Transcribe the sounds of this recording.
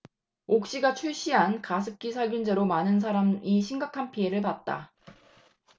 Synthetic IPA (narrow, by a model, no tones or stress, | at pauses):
ok̚ɕ͈iɡat͡ɕʰuɭɕ͈iɦankasʰɯp̚k͈isʰaɭɡjund͡ʑe̞ɾomanɯns̬ʰaɾamiɕʰiŋɡakʰanpʰie̞ɾɯɭpat̚t͈a̰